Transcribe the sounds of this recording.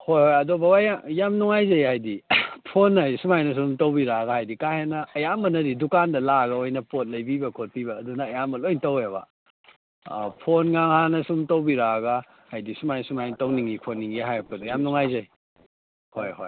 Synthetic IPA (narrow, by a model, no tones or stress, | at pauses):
hojhojɐdobawajajamnuŋajzɐjhajdipʰonːɐjsumajnɐs̬umtowbiɾaɡɐhajdikahenɐːjambɐnɐɾidukandɐlaɡɐojnɐpot̚lɐjbibɐkʰot̚pibɐːdunɐːjamɐlojntɐwebɐ̰ | pʰonŋaŋhanɐsumtowbiɾaɡa | hajdisumajnsumajnɐtowniŋikʰonːiŋɡiɦajok̚kɐdujamnuŋajzaj | hojho̰j